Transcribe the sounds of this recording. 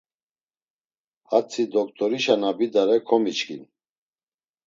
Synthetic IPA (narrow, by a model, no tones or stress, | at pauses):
hat͡sʰid̪ɔk̚t̪ʰʼɔɾiʃanabid̪aɾɛkʰɔmit͡ʃkʰʼḭn